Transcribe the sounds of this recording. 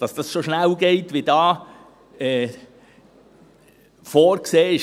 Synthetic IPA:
d̥ɑsd̥ɑssoʃnæwɡeɪtʋidɑː | ɛː | foːɾkseːɪ

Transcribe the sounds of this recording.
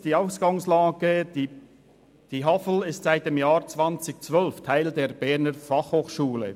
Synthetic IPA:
d̥iːaʊsɡ̥aŋslaːɡ̥ə | d̥iːɦafl̩ɪstz̥aɪt̚d̥eːmjaːɾt͡svant͡sɪk̚t͡svœlftʰaɪldeːɾbɛɾnəɾfɑχhoːχʃuːlə̰

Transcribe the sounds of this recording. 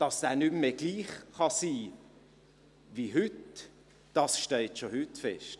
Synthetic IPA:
d̥ɑsæːnymmeɡ̥liːχχɑsiː | viɦʏt | d̥ɑsʃtɛltʃohʏtfɛʃt

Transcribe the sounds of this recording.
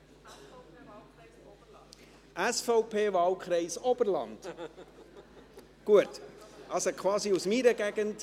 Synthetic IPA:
ʔæsfɔʊpʰeːvɑːlkχɾɛɪsɔb̥əɾlɑ̰nd̥ | ɡ̥uətʔɑsokʰʋɑːsiusmiɾəɡɛɡənt

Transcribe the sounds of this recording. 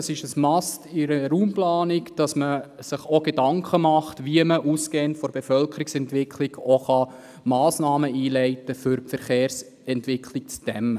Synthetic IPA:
ɑsɪʃəsmɑstɪɾəɾuːmplɑːnikd̥ɑsməsɪχoɡ̥edɑŋkʰəmɑχtʋiəməʔuskeːntfɔɾb̥efœlkəɾiksɛntʋɪkʰliɡoχɑ | mɑːsnɑːməiːlɛɪtəfʏɾpfɛɾχeːɾs | ɛntʋɪkʰlik̚t͡sd̥ɛmə

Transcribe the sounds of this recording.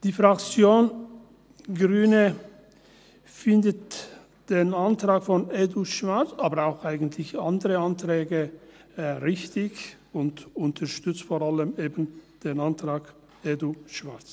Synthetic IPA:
d̥iːfʁakt͡sjoːn | ɡʁyːnə | fɪndət | d̥eːnantʁaːkfɔneduʃv̥at͡saːbəaʊxaɪɡən̩tʰlɪçandəʁəantʁɛːɡə | ʁɪçtɪç | ʊntʊntʰɐʃtʏt͡stfɔʁaləmeːbən̩d̥eːnantʁ̥aːk | eːduʃv̥at͡s

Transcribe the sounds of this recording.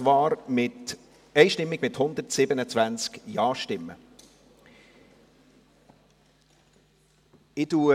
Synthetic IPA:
ʋɑːɾmɪt | ɛɪʃtɪmːɪɡ̥mɪthʊnd̪əɾtsɪbənət͡svænt͡skjɑːʃtɪmːə̰ | ɪtuː

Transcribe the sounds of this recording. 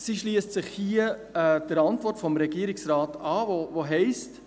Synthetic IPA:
siʃliəstsɪχhiəɛd̥əɾɑntvɔrtfɔmɾɛɡiəɾɪksɾaːtɑːvovoɦɛɪst

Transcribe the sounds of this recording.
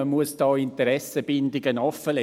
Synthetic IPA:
əmuəsd̥ɑːɪnt̪əɾɛsəb̥ɪndɪɡənɔfəlɛ

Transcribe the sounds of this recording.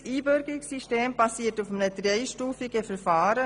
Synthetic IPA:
iːbʏɾɡɪksiʃteːmbɑsiːətufmənəd̥ɾeɪʃtuːfiɡəfəɾfaːɾə

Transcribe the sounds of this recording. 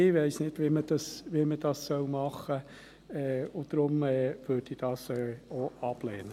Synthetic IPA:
ɪʋɛɪsnɪdʋiməd̥ɑsʋiməd̥ɑssœwmɑχə | ɛʊd̥ɾʊmɛːʋøːdid̥ɑːsɛoɑb̥leːnə

